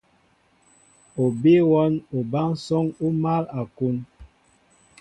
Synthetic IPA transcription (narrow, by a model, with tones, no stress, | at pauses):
o˨be˦wɔ˦no˨ba˦ŋsɔ˦ŋu˦ma˦la˨ku˦n